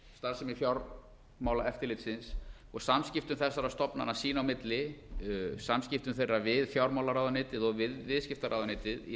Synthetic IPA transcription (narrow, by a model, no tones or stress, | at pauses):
st̪aɾ̥sɛmifjawɾ | maːwlaʔɛft̪ɪɾlɪːt̪sɪns | ɔɣsamscɪft̪ʏmθɛsːaɾast̪ɔpna̰nasiːnawmɪt̪lɪ | samscɪft̪ʏmθejravɪðfjawɾmawlaɾawðanɪːt̪ɪðɔɣvɪðvɪðscɪft̪aɾa̰ːwðanɪːt̪ɪðḭ